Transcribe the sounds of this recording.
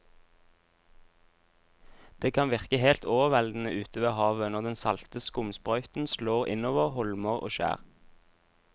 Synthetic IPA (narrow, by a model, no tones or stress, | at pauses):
d̪̥eːkʰɑnʋɪʁkəhelt̪ʰoːʋəʁʋɛld̪n̩əʔʉːt̪ʰəʋeːhɑːʋənɔʁd̪ɛnsɑlt̪əskʊmspʁœʏt̪n̩sloːʁɪ̰noːʋəʁhɔlməʁo̰ːʃæ̰ːʁ